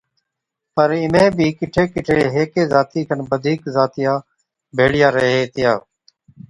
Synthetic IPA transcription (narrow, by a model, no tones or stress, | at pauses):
pəɾɪmẽːbʱiːkɪʈʰeːkɪʈʰeːɦeːkeːzaːt̪iːkʰənbəd̪ʱiːkzaːt̪ɪjãː | bʱeːɽɪjaːɾəɦeːt̪ɪjaː